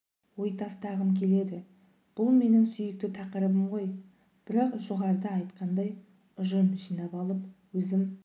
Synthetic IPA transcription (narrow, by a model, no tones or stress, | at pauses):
wo̞jt̪ʰɑst̪ɑʁəmkʲʰe̞le̞d̪ɪ | b̥ʊlˠme̞nɪŋsʏjɪk̚t̪ɪt̪ʰɑqəɾəbəmʁo̞j | b̥ɪɾɑqʒo̞ʁɑɾd̪əɑjt̪qɑnd̪ɑj | ʊʒəmʒijnɑpɑlˠəpwɵzɪm